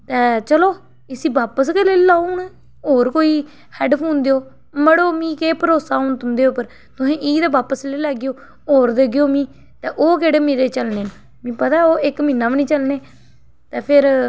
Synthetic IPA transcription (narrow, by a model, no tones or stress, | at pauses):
t̪ɛːt͡ʃəloː | ɪsiːbaːpəskeːleːlaːuːn | ɦoːɾkoːiː | hɛɖpʰuːnd̪eːoː | məɽoːmĩːkeːpəɾoːsaːõnt̪ʊnd̪eːʊpːəɾ | t̪ʊsẽːʔiːd̪eːbaːpəsleːlɛːɡjoː | ɦoːɾd̪eːɡɪjoːmĩː | t̪ɛːʔoːkeːɽeːmeːɾeːt͡ʃəlneːn | mĩːpət̪aːɛoːʔɪkmiːnːaːʋnĩːt͡ʃəlneː | t̪ɛːpʰɪɾ